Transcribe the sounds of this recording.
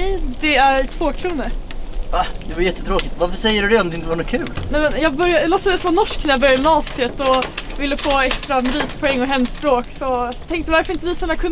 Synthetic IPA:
ɛjd̪ɛæɾt̪ʰvoːkʰɾuːnəɾvahd̪ɛvaɾjɛt̪ːət̪ɾoːkɪt̪vaɾfœʂɛjːəɾɵd̪ɛɔmd̪ɛɪnt̪əvaɳukʰʉ̟ːlnɛmɛnjɑːɡbœɾjalɔst̪əd̪ɛsɔmːnɔʂknæɾjɑbœɾjad̪mnɑːsɪət̪ɔvɪlːəfoːɛkst̪ɾamɾiːt̪pʰɔɛŋːɔɦɛmːspɾoːksɔt̪ʰɛŋk̚t̪əvaɾfœɾɪnt̪əviːsaɛnːakʰɵn

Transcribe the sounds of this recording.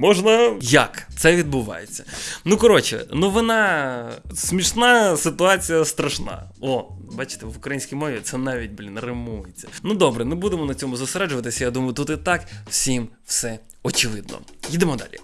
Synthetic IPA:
mɔʒnɐjɐkt̪sɛʋʲid̪̚bʊʋɑ̰jet͡sʲːɐ̥nukɔɾɔt͡ʃɪ̰nuʋɔnɑ | smʲiʃnɑsɪt̪ʊɑt͡sʲijɐst̪ɾɐʃnɑ̰ɔbɑt͡ʃɪ̥t̪ɛʋʊkɾɐjinʲsʲkʲijmɔʋʲit̪sɛnɑʋʲit̚ʲblʲinrɪmujet͡sʲːɐ̥nud̪ɔbɾɛmɪbud̪emɔnɐt͡sʲɔmʊzʊseɾɛd͡ʒʊʋɐt̪ɪsʲɐjad̪umɐjʊt̪ut̪ɪt̪ɑkwsʲim | fsɛ | ɔt͡ʃɪʋɪd̪̚nɔ̰jid̪emɔd̪a̰lʲi

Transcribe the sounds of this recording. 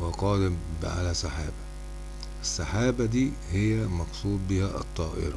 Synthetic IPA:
weqɑːd̪ɪmbʕa̰læsaħaːbæ | ʔɪsːaħaːbæd̪iː | hɪjːæmɑqsˤuːd̪ˤbɪhæʔɑ̰t̪ˤːɑːʔɪ̰ɾˤɑ

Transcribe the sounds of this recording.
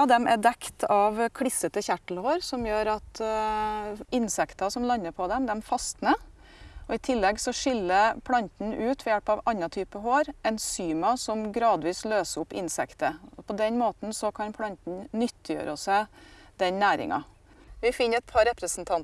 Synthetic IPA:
ɑd̪ɛmæd̪ɛkt̪ʰɑʋkʰɽɪsːət̪əçæʈːl̩hoːɾsɔmjøːɾɑt̪ | ɪnsɛkt̪ɑsɔmlɑnːəpʰɔd̪ɛmd̪ɛmfɑst̪nə | ʔɔɪt̪ʰɪlːɛɡsɔʂɪlːəɾpʰlɑnt̪n̩ʉːt̪ʋɛjɛlpɑʋɑnːɑt̪ʰyːpəɦoːɾɛnsyːmɑsɔmɡɾɑːd̪ʋiːsløːsəɾʊpɪ̰nsɛkt̪əɔpʰɔd̪ɛnmoːt̪n̩sɔkʰɑnpʰlɑnt̪n̩nʏt̪ːɪjø̰ːɾɔsɛd̪ɛnnæːɾɪ̰ŋɑ̰ | ʋɪfɪnːɛt̪̚pʰɑɾɛpɾəsnt̪ʰɑnt̪

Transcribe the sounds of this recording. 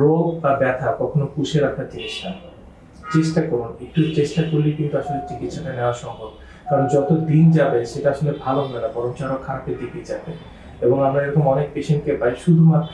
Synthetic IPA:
ɾobabɛt̪ʰakɔkʰonokuʃʰeɾakʰat͡ɕiniʃa | t͡ɕeʃʈakɔɾunikʈuet͡ɕeʃʈakoɾlijkint̪uaʃolet͡ɕikit̪ʃɔʈaneoaʃɔŋbʱob | kaɾond͡ʑɔt̪od̪ind͡ʑabeʃeʈaaʃolebʱaloɦoenabɔɾomt͡ɕaɾokʰaɾapedipid͡ʑabe | eboŋamɾaeɾokomɔnek̚peʃenʈkebajʃud̪ʱumat̪

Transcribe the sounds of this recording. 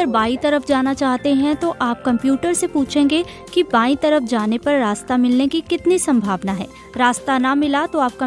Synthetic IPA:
əɾbaːit̪ɐɾəfd͡ʒaːnat͡ʃaːɦt̪eɦɛ̃t̪oʔaːp̚kɐ̃mpjuːʈəɾsepuːt͡ʃʰẽːŋɡe | kibaːit̪ɐɾəfd͡ʒaːnepɐɾːaːst̪amɪlnekikɪt̪nisɐ̃mbʱaːʋnaɦɛ̰ː | ɾaːst̪anamɪlat̪oaːp̚kɐ

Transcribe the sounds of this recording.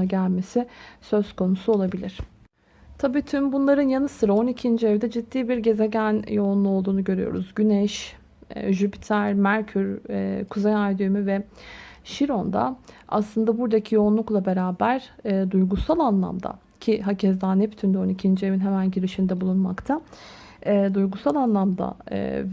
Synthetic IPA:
ɟælʲme̞sɪsø̞z̥kʰo̞nusuo̞lˠabilʲiɾ̥ | t̪ʰabiːt̪ʰymbunlˠaɾɯnjanɯsɯɾao̞nicʰind͡ʒiɛvd̪ɛd͡ʒid̪ːiːbiɾɟe̞ze̞ɟænjo̞unlˠuo̞lˠd̪uːnuɟø̞ɾy̰jo̰ɾṵzɟynɛʃ | ʒypi̥t̪ʰæɾmæɾcʰyɾkʰuzejajd̪ymyvɛ | ʃiɾo̞nd̪a̰a̰slˠɯnd̪abuɾd̪acʰijo̞unlˠuklˠabe̞ɾaːbæɾːd̪ujɡusalˠanlˠa̰md̪a̰ | cʰiɦacʰɛzd̪aːnɛpt̪ʰynd̪ɛo̞nicʰind͡ʒievinɦemænɟiɾiʃimd̪ɛbulˠunma̰kt̪ʰa | ɛːd̪ujɡusalˠanlˠamd̪a̰

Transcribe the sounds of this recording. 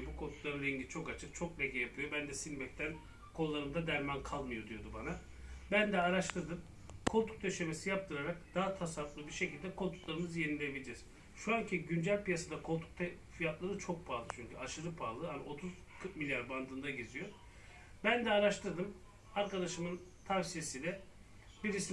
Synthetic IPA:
bukʰo̞nt̪ʰu̥lˠaɾɯɾɛɲɟit͡ʃʰo̞kat͡ʃʰɯk̚t͡ʃʰo̞klekʰɛjapʰɯjo̞bænd̪ɛsilʲbɛc̚t̪ʰæn | kʰo̞lˠːaɾɯnd̪ad̪æɾmankʰalˠmɯjo̞d̪ijo̞d̪ubana | bænd̪ɛaɾaʃt̪ʰɯɾd̪ɯm | kʰo̞lˠt̪ʰu̥k̚t̪ʰøʃemesijap̚t̪ʰɯɾaɾak̚d̪̥aɦat̪ʰasaflˠɯbiɾʃe̞cʰilʲd̪ɛkʰolˠt̪ʰu̥t̪lˠaɾɯmɯzje̞nilʲebilʲed͡ʒɛz̥ | ʃuaŋcʰiɟynd͡ʒælʲpijasad̪akʰo̞lˠt̪ʰu̥k̚t̪ʰe | fijat̪lˠaɾɯt͡ʃʰo̞k̚pʰaːlˠɯt͡ʃʰyɲcʰyaʃɯɾɯpʰaːlˠɯhanio̞t̪ʰuz̥ | kʰɯɾt̪̚milʲjaɾband̪ɯnd̪aɟezijo̞ | bænd̪ɛaɾaʃt̪ʰɯɾd̪ɯm | aɾkad̪aʃɯmɯnt̪ʰavsije̞sid̪ɛ | biɾisi

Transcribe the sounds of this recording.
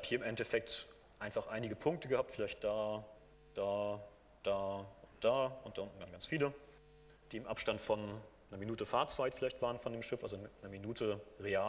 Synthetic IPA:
aphiːɐɪmʔɛntɛfɛk̚t | ʔaɪnfaχʔaɪnɪɡəpʰʊŋk̚təɡəhaːp̚tfɪlaɪçt̚d̥aː | d̥aː | d̥aːʊnt̚d̥aːʊnt̚d̥aʔʊntn̩ɡ̥anɡant͡sfiːlə | d̥iːɪmʔapʃtantfɔnː | ɐminuːtəfaɐt͡saɪtfɪlaɪçtv̥aːʁənfɔndeːmʃɪfa̰lzonɐminuːtʰəʁeaː

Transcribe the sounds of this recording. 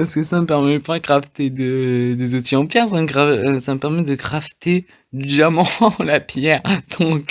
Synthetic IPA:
paʁsə̥kəsaməpɛʁmɛpaɡʁaft̪ed̪əd̪ezot̪iɑ̃pjɛʁsaməɡʁasaməpɛʁmɛd̪əɡʁaft̪e | d̪ydamɑ̃lapjɛʁd̪̥ɔ̃k

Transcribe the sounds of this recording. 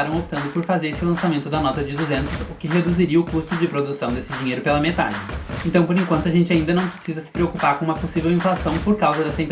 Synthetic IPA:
ɾɐ̃w̃op̚t̪ɐ̃nd̪ʊpoɾfazeɾesɪlɐ̃samẽnt̪ʊd̪ɐnɔt̪ɐd͡ʒɪd̪uzẽnt̪ʊsʊkɪɦed̪uziɾiɐʊkust̪ʊd͡ʒɪpɾod̪usɐ̃w̃d̪esɪd͡ʒiɲejɾʊpelɐmet̪a̰d͡ʒɪẽnt̪ɐ̃w̃poɾẽŋkwɐ̃nt̪ʊaʒẽnt͡ʃɪaĩnd̪ɐnɐ̃w̃pɾesizɐsɪ̥pɾeokupaɾkõũmɐposivewĩflasɐ̃w̃poɾkawzɐd̪ɛsɐẽĩp

